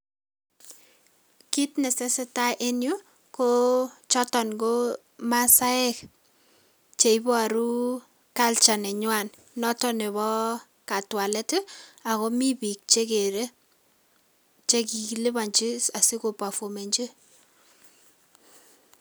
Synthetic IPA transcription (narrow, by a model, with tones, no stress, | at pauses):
ki˦tnɛ˨se˦sɛ˦ta˦ʔe˦nju˦ | ko˦t͡ʃɔ˦tɔ˨nɡo˦ | ma˦sa˦ɛ˦k | t͡ʃe˨i˦bɔ˦a˨ɾu˦ | ka˦lt͡ʃa˨nɛ˨ɲwa˨n | nɔ˦tɔ˦ne˨βɔ˦ | ka˨twa˨lɛ˦tɪ˦a˨kɔ˦mi˦bi˨k̚t͡ʃe˦ke˨ɾe˦ | t͡ʃe˦ki˨kilɪ˦βa˨ɲt͡ʃɪ˦sa˨si˦ko˨pa˨fo˨me˨ɲd͡ʒe˦